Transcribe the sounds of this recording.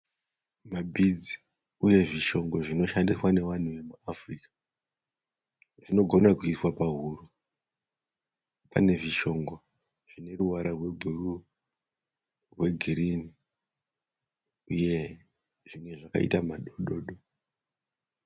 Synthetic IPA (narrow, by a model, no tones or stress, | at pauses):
mabʱid͡zi | uje̞ʐiʃo̞ŋɡo̞ʐino̞ʃandiswane̞ʋan̤uʋe̞muafrikḁ | ʐino̞ɡʱo̞nakuiswapaɦuɾu | pa̰ne̞ʐiʃo̞ŋɡo | ʐ̥ine̞ruwaɾarwe̞ɡʱuru | rwe̞ɡʱiɾini | uje̞ | ʐimwe̞ʐaka̰ḭtamaɗoɗoːɗo